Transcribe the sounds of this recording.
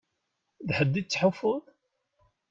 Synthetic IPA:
ðħəd̪ːit͡sːħəfʊðˤ

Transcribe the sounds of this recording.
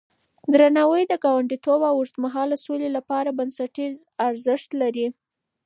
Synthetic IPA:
d̪ɾanɑwəjd̪əɡɑwaɳɖit̪obawʊɾt̪maɦɑləsolelapɑɾabansaʈizaɾzɪʂt̪laɾi

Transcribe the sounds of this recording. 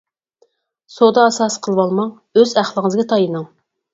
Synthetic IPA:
sod̪ɑːsɑsqʰəlˠwɑlˠmɑŋ | øzæχlˠəŋɨzɡʲɛt̪ʰɑjɨnɨŋ

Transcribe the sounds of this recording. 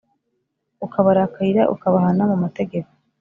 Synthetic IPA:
ukaβaɾakaiɾa̰ʔṵkaβaɦanamumate̞ɡe̞ko̥

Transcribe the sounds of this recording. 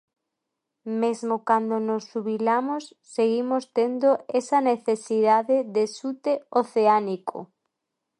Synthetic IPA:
mezmokand̪onosːuβilamosːeɣimost̪end̪oesaneθesiðaðeðesut̪eoθeaniko̰

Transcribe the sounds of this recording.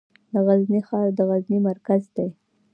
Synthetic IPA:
d̪əɣaznixɑɾd̪əɣaznimaɾkazd̪aj

